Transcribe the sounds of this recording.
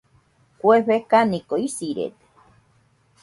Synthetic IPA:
kʷeɸekanikoisiɾḛt̪e̥

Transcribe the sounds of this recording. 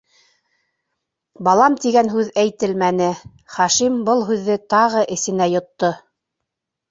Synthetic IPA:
bɑlˠɑmt̪iɡænɦʉðæjt̪ɘlmænɘ | χɑʃimbɤlˠɦʉðːɘt̪ɑʁɤʔɘ̆sɘ̆næjŏt̪ːo

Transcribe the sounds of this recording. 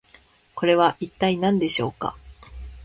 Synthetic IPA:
ko̞ɾe̞βaʔit̪ːainãnd̪e̞ɕo̞ːka̰

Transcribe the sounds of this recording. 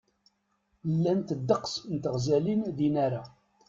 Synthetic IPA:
lːænt̪əd̪ːəqsnt̪əʁzælinðinaɾa

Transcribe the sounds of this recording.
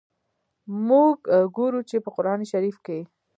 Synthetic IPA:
muɡɡoɾut͡ʃepəqʊɾɑniʃaɾifke

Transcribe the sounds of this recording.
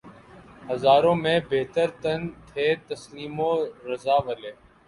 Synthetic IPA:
həzaːɾõːmẽːbeːt̪əɾt̪ənt̪ʰeːt̪əsliːmõːɾəzaːʋəleː

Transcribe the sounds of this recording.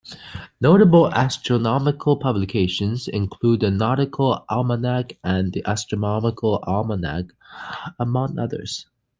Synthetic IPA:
noʊɾəbl̩ˠæstɹ̥ənɑmɨkʰəl̩ˠpʰʌblɨkʰeɪʃɨ̃nzɪ̰̃nkʰl̥ud̪̚ðɨnɑɾɨkʰəl̩ˠʔælˠmənæɡɨ̃nðiʔæstɹ̥ənɑməkʰl̩ˠælˠmənæ̰ɡ | əmʌ̃ŋʌ̰ðə̰˞z̥

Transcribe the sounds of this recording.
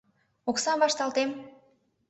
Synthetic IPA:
oksɑmvɑʃt̪ɑlt̪em

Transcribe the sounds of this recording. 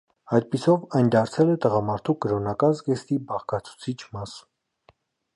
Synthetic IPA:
ɑjt̪̚pisɔvɑjnd̪ɑɾt͡sʰɛlɛt̪əʁɑmɑɾt̪ʰukəɾɔnɑkɑnzɡɛst̪ibɑʁkʰɑt͡sʰu̥t͡sʰit͡ʃʰmɑs

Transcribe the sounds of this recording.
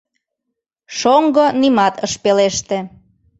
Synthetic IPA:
ʃoŋɡonimɑt̪əʃpeleʃt̪ĕ

